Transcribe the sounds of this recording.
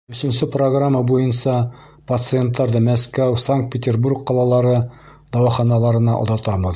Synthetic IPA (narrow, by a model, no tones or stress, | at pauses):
ɵ̆sɵ̆nsɘproɡramːɑbujɤnsɑ | pɐt̪sɨent̪ːɑɾðɤmæskæwsaŋkt̪̚pʲɪt̪ʲerburkːɑlˠɑlˠɑɾɤ | d̪ɑwɑχɑnɑlˠɑɾɤ̆nɑ̰ʔŏ̰ðɑt̪ɑbɤ̆ð